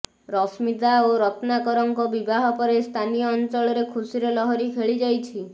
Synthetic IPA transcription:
ɾɔsmid̪aoɾɔt̪nakɔɾɔŋkɔbibaɦɔpɔɾest̪ʰanijɔːnt͡ʃɔɭɔɾekʰusiɾɔlɔɦɔɾikʰeɭid͡ʒajt͡ʃʰi

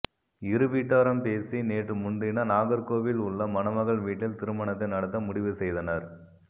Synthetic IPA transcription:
ɪɾɯʋiːʈːaːɾɐmpeːsineːʈrɯmʊɳɖɪnɐnaːɣɐɾkoːʋɪlʊɭːɐmɐnɐmɐɣɐɭʋiːʈːɪlt̪ɪɾɯmɐɳɐt̪ːɐɪnɐɽɐt̪ːɐmʊɽɪʋɯsɛjðɐnɐɾ

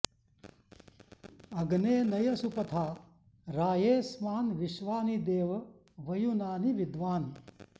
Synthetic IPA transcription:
ɐɡneːnɐjɐsupɐt̪ʰaː | ɾaːjeːsmaːnʋɪʃʋaːnid̪eːʋ | ʋɐjunaːniʋɪd̪ʋaːni

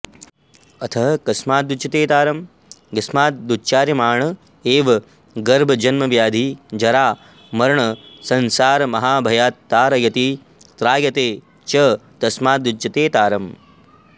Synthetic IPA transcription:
ɐt̪ʰɐɦɐkɐsmaːt̪̚ːut͡ʃɐt̪eːt̪aːɾɐm | ɡɐsmaːt̪̚d̪utːt͡ʃaːɾjɐmaːɳɐ | eːʋɐ | ɡɐɾbʱɐd͡ʒɐnmɐʋjaːd̪ʱid͡ʒɐɾaː | mɐɾɳɐsɐnsaːɾmɐɦaːbʱɐjaːt̪ːaːɾɐjɐt̪i | t̪ɾaːjɐt̪eː | t͡ʃɐt̪ɐsmaːt̪ːut͡ʃɐt̪eːt̪aːɾɐm

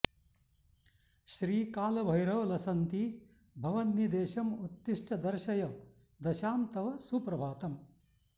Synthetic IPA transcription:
ʃɾiːkaːlɐbʱɐjɾɐʋlɐsɐnt̪i | bʱɐʋɐnnid̪eːʃɐmut̪ːiʂʈʰɐd̪ɐɾʃɐjɐ | d̪ɐʃaːmt̪ɐʋɐsuːpɾɐbʱaːt̪ɐm

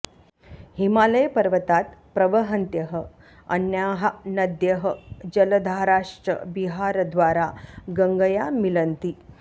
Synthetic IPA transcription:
himaləjpəɾʋət̪at̪pɾəʋəɦənt̪jəɦə | ənjaɦanəd̪jəɦəd͡ʑələd̪ʱaɾaʂʈɾə̰biɦaɾd̪ʋaɾaɡəŋɡəjamilənt̪i

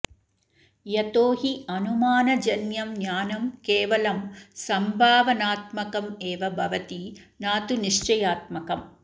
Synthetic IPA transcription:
jɐt̪oːɦiɐnumaːnɐd͡ʒɐnjɐmnjaːnɐmkeːʋɐlɐmsɐmbʱaːʋɐnaːt̪mɐkɐmeːʋɐbʱɐʋɐt̪inaːt̪uniʂt͡ʃɐjaːt̪̚mɐkɐm

